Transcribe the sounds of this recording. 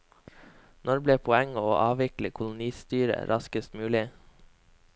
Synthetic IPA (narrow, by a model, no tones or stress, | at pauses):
nɔɾbleːpʰʊɛŋoːʔɑːʋɪkləkʰʊlʊniːst̪yːɾə̰ɾʔɑskəst̪mʉːlɪ